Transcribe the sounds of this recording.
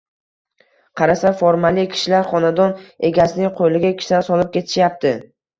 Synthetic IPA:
qʰɑɾasafoɾmalikʲʰɪ̥ʃɪlaɾχɒnad̪ɒne̞ɡʲasɪnɪŋqʰojlɪɡʲakʲʰɪ̥ʃansɒlˠɪp̚kʲʰe̞t̪ʰɪ̥ʃjap̚t̪ɪ

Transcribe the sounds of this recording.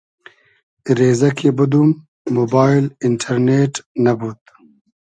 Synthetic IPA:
ɾeːzɐkʰebɐd̪umː | oːbaːilɪɳʈʰɐɾneːʈnɐbut̪

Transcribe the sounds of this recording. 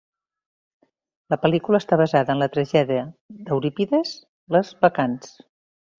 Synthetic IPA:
ləpəlikuləːst̪aβəzaðəːnlət̪ɾəʒɛðiəd̪əwɾipiðəz | ləzβəkans

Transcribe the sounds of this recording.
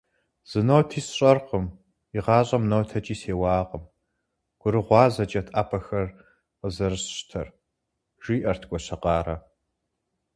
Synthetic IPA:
z̥ɨnowtʰiːsɕʼɐrqəm | iʁɑːɕʼɐmnowtʰɐt͡ʃʼiːseːwɑːqʼəm | ɡ̥ʷʊɾɨʁʷɑːzɐt͡ʃʼɐtʰaːpʰɐxɐr | qəzɐrɨɕɕtʰɐr | ʒ̥iːʔɐrtʰkʷʼɔɕɐqɑːɾɐ

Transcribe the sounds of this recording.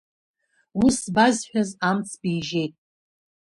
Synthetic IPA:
usbazħᶣazamt͡sʰbijʒe̞jtʼ

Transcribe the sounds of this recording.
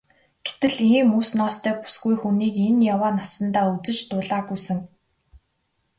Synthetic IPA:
ɡ̥et̪ɘ̆ɮiːmuːsnɔːst̪ʰœːpu̥sɡujxuniːkenjawaːnasə̆nt̪aːut͡sɘ̆t͡ɕt̪ʊːɮaːɣujsɘ̆ŋ

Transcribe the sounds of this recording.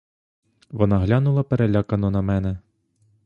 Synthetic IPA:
ʋɔnɑɦlʲɑnʊlˠɐpeɾelʲɑkɐnɔnɐmɛnɛ

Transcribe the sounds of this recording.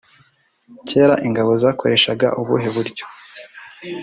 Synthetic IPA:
ce̞ːɾaʔiŋɡaβo̞zaːko̞ɾe̞ʃaɡa̰ʔuβuɦe̞βuɾɟo̥

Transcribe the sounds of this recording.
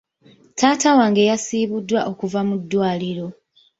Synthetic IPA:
taːtawaːŋɡe̞jasiːβudːwaʔo̞kuvamudːwaːliɾo̞

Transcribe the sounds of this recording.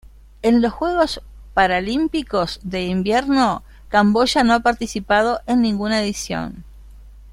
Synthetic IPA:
e̞nlo̞sxwe̞ɣ̞o̞s | paɾalimpiko̞zðe̞imbjeɾno̞ | kambo̞ʒanoapaɾt̪isipað̞o̞ʔenːĩŋɡunaeðisjo̰n

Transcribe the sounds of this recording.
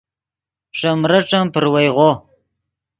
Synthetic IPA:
ʂamɾaʈ͡ʂampəɾwajʁo

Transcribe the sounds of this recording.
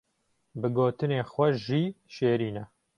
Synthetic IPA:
bɨɡoːt̪ɨneːxwɛʒiːʃeːɾiːnɛ

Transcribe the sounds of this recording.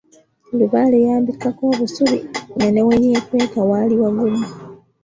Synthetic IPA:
luβalejaːmbikːako̞ːβusuβḭŋaneweɲeːtweːkawaliwaɡuma

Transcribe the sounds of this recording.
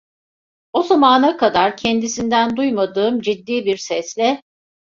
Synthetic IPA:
o̞zamaːnakad̪aɾcʰɛnd̪isind̪ænd̪ujmad̪ɯːmd͡ʒid̪ːiːbiɾsɛslʲɛ

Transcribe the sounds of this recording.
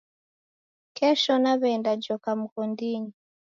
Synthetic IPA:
kɛʃɔnaβɛndad͡ʒɔkam̩kɔndiɲi

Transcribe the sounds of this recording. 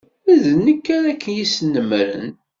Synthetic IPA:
æðənəkːæɾækːənjisənːəmɾə̰n

